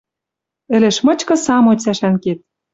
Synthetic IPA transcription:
ɘ̆lɘ̆ʃmɤ̆t͡ɕkɤ̆sɑmot͡sæʃænket̪̚

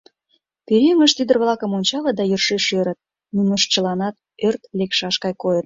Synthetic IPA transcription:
peɾʲiŋəʃt̪yd̪ə̆rβlɑkəmonʲt͡ɕɑlət̪̚d̪ɑjyrʃeʃøɾət̪̚ | nunəʃt͡ɕəlɑnɑt̪̚ | ørt̪lekʃɑʃkɑjkojət̪̚

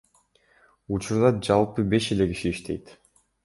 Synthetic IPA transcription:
ut͡ʃuɾd̪ɑd͡ʒɑlˠpɯbe̞ʃe̞le̞kiʃiːʃt̪ʰe̞̰jt̪

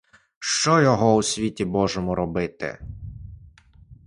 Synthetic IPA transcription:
ʃt͡ʃɔjɔɦɔusʲʋʲitʲibɔʒemɔɾɔbɪt̪ɪ̰

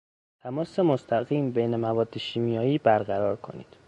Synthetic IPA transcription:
t̪ʰæmɒːsemost̪ʰæɣiːmbejnemævɒːd̪ːeʃiːmijɒːiːbæɾɡæɾɒːɾkʰo̞̰nḭːd̪̥

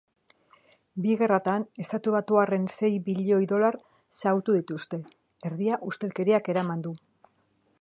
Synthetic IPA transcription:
biɣ̞e̞rat̪ane̞st̪at̪uβ̞at̪uare̞nse̞jβiʎojðo̞laɾ | sawt̪uðit̪ust̪e̞ | eɾðiaʔust̪e̞lke̞ɾiake̞ɾamand̪u

